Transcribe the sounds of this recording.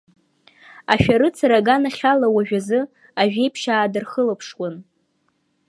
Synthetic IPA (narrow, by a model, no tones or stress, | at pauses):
aʃᶣaɾɨt͡sʰaɾaɡanaχʲalawaʒᶣazɨ | aɥᶣejpʰʃaːdɨrχəlapʰʂwan